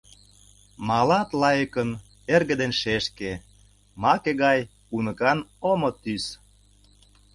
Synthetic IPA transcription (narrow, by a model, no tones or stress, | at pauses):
mɑlɑt̪lɑjəkən | erɣə̆d̪enʃeʃke | mɑkeɣɑj | unəkɑnomot̪ys